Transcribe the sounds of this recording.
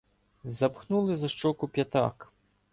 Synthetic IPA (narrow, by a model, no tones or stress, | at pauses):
zɐpxnulˠɪzɐʃt͡ʂɔkʊpʲjɐt̪ɑ̰k